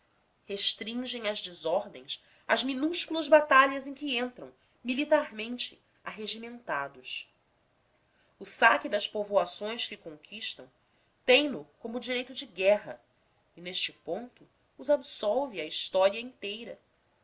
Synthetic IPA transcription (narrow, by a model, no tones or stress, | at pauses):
heʃt̪ɾĩŋʒẽj̃ɐzd͡ʒɪzɔɾd̪ẽj̃s | ɐzminuʃkulˠɐzbat̪aʎɐzẽkɪẽnt̪ɾɐ̰̃w̃ | milit̪aɾmẽnt͡ʃɪ | aɦeʒimẽnt̪ad̪ʊs | ʊsakɪd̪ɐspovoasõj̃skɪkõŋkʰiʃt̪ɐ̃w̃ | t̪ẽj̃nʊkõmʊd͡ʒiɾejt̪ʊd͡ʒɪɡɛɦɐ̰ | ɪneʃt͡ʃɪpõnt̪ʊː | zabsɔwvɪɐiʃt̪ɔɾiɐĩnt̪ejɾɐ̰